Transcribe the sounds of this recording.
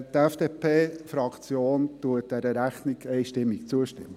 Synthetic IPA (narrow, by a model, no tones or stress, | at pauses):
t̪ɛfd̥epʰeːfɾɑkʰt͡sjoːnt̪uət̚d̥ɛɾəɾæχniɡɛɪʃtɪmːik̚t͡suəʃtɪ̰mːə